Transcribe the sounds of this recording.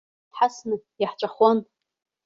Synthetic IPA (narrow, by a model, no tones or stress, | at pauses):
tħasnɨjaħt͡ʃʷʼaχwan